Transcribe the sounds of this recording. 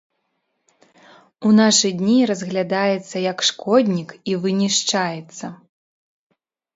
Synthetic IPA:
unaʂɨd̪ʲnʲiɾɐzɣlʲad̪ajɛt̪sːɐjɐkʂkʰɔd̪ʲnʲikivɨnʲiʂt͡ʂajɛt̪sːɐ

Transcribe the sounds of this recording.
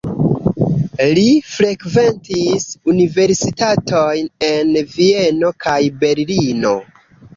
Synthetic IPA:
lifɾe̞kve̞ntisunive̞ɾsitatʰo̞jne̞nvie̞no̞kʰajbe̞ɾlino̞

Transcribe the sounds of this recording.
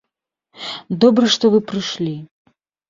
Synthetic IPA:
d̪ɔbɾɨʂt̪ɔvɨpɾɨʂlʲi

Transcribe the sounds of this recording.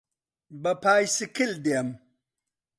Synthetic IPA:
bɐpʰaːjsikʰild̪eam

